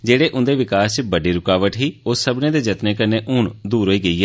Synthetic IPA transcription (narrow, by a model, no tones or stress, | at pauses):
d͡ʒeːɽeːʔʊnd̪eːʋɪkaːst͡ʃbəɖiːɾʊkaːʋəʈɦiːʊsːəbnẽːd̪eːd͡ʒət̪neːkəneːʔʊːɳd̪uːɾɦoːiːɡəiːɛː